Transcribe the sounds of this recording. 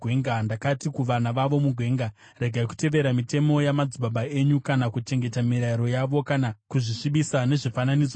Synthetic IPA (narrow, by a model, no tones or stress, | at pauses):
eŋɡandakatikuʋanaʋaʋo̞muɡʱwe̞ːŋɡa | re̞ɡʱaiku̥te̞ʋe̞ɾamite̞mo̞jamad͡zuɓaɓae̞ɲukanakut͡ʃe̞ŋɡe̞tamiɾaiɾo̞jaʋo̞kanakuʐiʂiɓisane̞ʐifananid͡zo